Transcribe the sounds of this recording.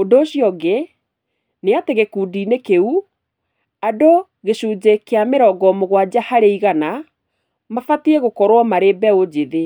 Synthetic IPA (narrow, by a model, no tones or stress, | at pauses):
ondoːɕiɔɡe | neateɣekuːdiːnekeu | ado | ɣeɕuːd͡ʑekeameɾɔɡɔmoɣwad͡ʑahaɾeiɣana | mafatiɛɣokɔɾwɔmaɾebɛod͡ʑeðe